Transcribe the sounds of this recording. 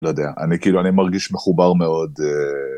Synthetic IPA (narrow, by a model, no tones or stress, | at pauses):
lojed̪eaʔanikiːluanimaʁɡiʃmeχubaʁmeo̞d̪e